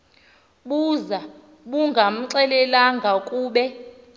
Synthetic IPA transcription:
ɓuza | ɓuŋɡʱam̩ǀɛlɛlaŋɡʱakʼuːɓɛ

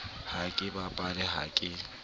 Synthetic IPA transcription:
hakʼɪbapʼalɛɦa̰kʼɪ

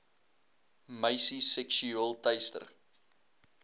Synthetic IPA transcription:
məjsisɛkʃuəlˠtɐjstə̰r

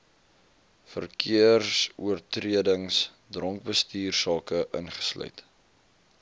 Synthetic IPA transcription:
fə̰rkʰiərsuərtriədəŋs | drɔŋk̚bəstiːrsɑːkəʔə̰nχə̥slœ̰ɥt

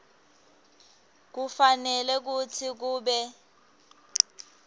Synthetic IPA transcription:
k̬ufanɛlɛk̬ut͡sʰik̬uːɓɛ

